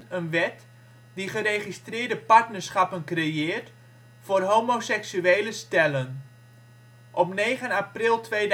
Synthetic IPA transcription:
ənʋɛt | diχəreːχistrɪːɹdəpaɹtnəɹsχapənkrejɪːrt | fʊːrɦoːmosɛksyeːləstɛlən | ʔɔpneːχənaprɪlˠtʋeːd

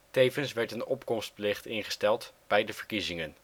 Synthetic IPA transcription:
tejvənsʋɛɹtənɔpkɔmst̚plɪχtɪnχə̥stɛlˠtb̥ɛjdəvəɹkizɪŋən

